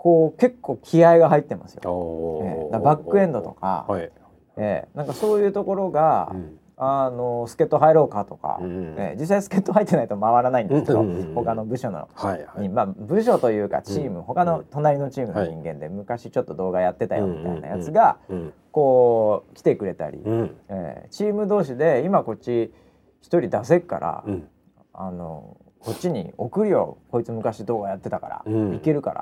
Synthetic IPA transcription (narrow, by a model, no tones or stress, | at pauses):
ko̞ːke̞kʰːo̞ːkʲʰiaiɡaɦait̪ːe̞ma̰sɨ̥joḛd̪abakːɯ̟ẽ̞nd̪o̞t̪o̞ka̰ | e̞̰nãŋkaso̞ːjɯ̟ːt̪o̞ko̞ɾo̞ɡa | ano̞sɨ̥ke̞t̪ːo̞ɦaeɾo̞ːkat̪o̞ka̰ḛd͡ʑis̬ːaisɨ̥ke̞t̪ːo̞ɦait̪ːe̞nait̪o̞maβaɾanaĩnd̪skeed̪o̰ho̞kano̞bɯ̟ɕo̞no̰ɲimaːbɯ̟ɕ̬o̞t̪o̞jɯ̟ːka̰t͡ɕiːmɯ̟ɦo̞kano̞t̪o̞naɾʲino̞t͡ɕiːmɯ̟no̞ɲ̟ĩŋɡẽ̞nd̪e̞mɯ̟kaɕit͡ɕo̞t̪ːo̞d̪o̞ːɡajat̪ːe̞t̪a̰jo̞̰mʲit̪a̰ḭna̰jat͡sɨɡako̞ːkʲi̥t̪e̞kɯ̟ɾe̞t̪a̰ɾʲḭḛt͡ɕiːmɯ̟d̪o̞ːɕid̪e̞imako̞t̚ʲt͡ɕːɕi | çi̥t̪oɾʲid̪as̬e̞kːa̰ɾa̰ | a̰no̞̰ | ko̞tʲt͡ɕːiɲ̟ḭo̞kɯ̟ɾʲio̰ko̞it͡sɨmɯ̟kaɕid̪o̞ːɡajat̪ːe̞t̪aka̰ɾa̰ike̞ɾɯ̟ka̰ɾa̰